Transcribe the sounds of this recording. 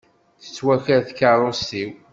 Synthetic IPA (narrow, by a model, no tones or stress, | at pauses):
θə̥t͡sːwæçəɾθkaɾˤʊst̪iw